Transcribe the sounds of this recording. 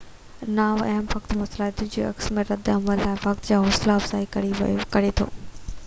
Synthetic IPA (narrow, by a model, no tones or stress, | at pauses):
naːʋɐɦəmʋɐkt̪mɐslaːɪt̪ʊd͡ʑḭːɐ̰ksmẽɾɐd̪ɐmʋəllaːɪʋɐk̚t̪d͡ʑaːɦoːslaɐfz̥aːikɐikɐɾet̪ʰo̰ː